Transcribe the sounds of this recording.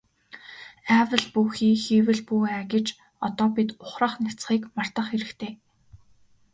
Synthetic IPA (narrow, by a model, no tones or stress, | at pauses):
æːwə̆ɮpuxiːxiːwɘ̆ɮpuæɡʲĕt͡ɕ | ɔt̪ɔːpit̪ʊχrə̆χnat͡sχiːkmar̥t̪ə̆χxeɾɘ̆kt̪ʰeː